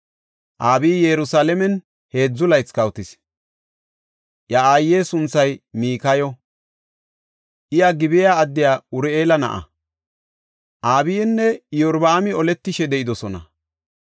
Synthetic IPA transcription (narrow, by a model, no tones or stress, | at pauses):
ʔaːbiːjɛɾʊsaːlɛmɛn | he̞ːd͡zːʊlɐjt͡skɐwt̪ɪs | ʔjɐaːjːe̞ːsʊnt͡sːɐjmiːkɐjɔ | ʔɪjɐɡɪbɪjaːɐd̪ːɪjaːʊɾɛeːlɐnɐ̰ʔɐ̰ | ʔaːbijɛnːɛjɔɾbaːmɪɔlɛt̪ːɪʃɛd̪ɛʔɪd̪ɔsɔnɐ̰